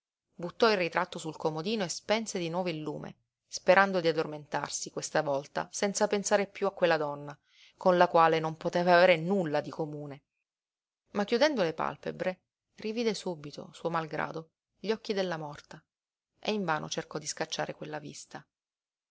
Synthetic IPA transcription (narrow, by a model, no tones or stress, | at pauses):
but̪ːɔilrit̪ɾat̪ːosulkomod̪iːnoespɛnsed̪inwɔːvoilːuːmḛ | speɾʔand̪od̪iad̪ːorment̪a̰rsikwest̪avɔlt̪a̰sɛnt̪sapensaːɾepjuakːwelːad̪ɔnːa | konlakwaːlenompot̪eːvaːveːɾenulːad̪ikomuːne | makːjud̪ɛnd̪olepa̰lpḛbɾe | riviːd̪esubit̪ʰo̰suomalɡɾa̰ːd̪o | ʎːɔkːid̪elːamɔrt̪a | ʔeiɱvaːno̰t͡ʃerkɔd̪iskat͡ʃːa̰ːɾekwelːavḭst̪a